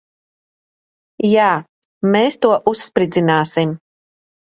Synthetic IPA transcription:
jaː | meːst̪uɔʔusːpɾid̪zinaːsim

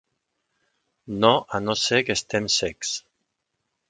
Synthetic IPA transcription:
noʔanosekest̪emsɛks

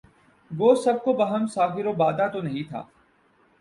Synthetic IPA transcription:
ɡoːsɐb̚kobɐɦəmsaːfɪɾobaːd̪at̪onɐɦĩt̪ʰa̰ː

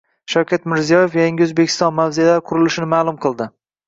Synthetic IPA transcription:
ʃawkʲat̪mɪɾzijɒje̞fjaŋɡʲɪɵzbekʲʰɪst̪ɒnmawzealaɾqʰʊɾɪlɪʃɪnɪmaːlˠʊmqʰɨlˠd̪ɪ

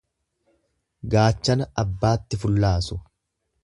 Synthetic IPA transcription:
ɡaːt͡ʃːɐnɐɐbːaːt̪ːɪfʊlːaːsʊ

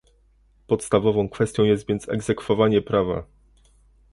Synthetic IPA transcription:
pɔt̪st̪avɔvɔ̃w̃kfɛst̪ʲjɔ̃jɛst̪vʲjɛnt̪sɛ̰ɡzɛkfɔvaɲɛpɾava̰

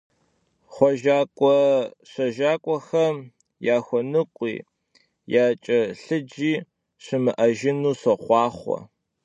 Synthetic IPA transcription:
χʷɔʒaːkʷʼɔɕɐʒaːkʷʼɔxɐm | jaːxʷɔnɨqʷʼḭː | jaːt͡ʃʼɐɬɨd͡ʒiː | ɕɪmɨʔɐʒɪnuːɕɐχʷɑːχʷɔ̰

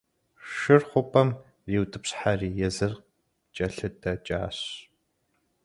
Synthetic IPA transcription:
ʃɨrχʷʊpʼɐm | riːwtʰʼɨpɕħariːjɛzɨrq | t͡ʃʼɐɬɨdʰɐt͡ʃʼa̰ːɕ

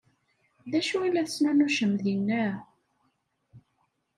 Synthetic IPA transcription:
ðæʃuilːæθəsnænuʃəmðinːæ

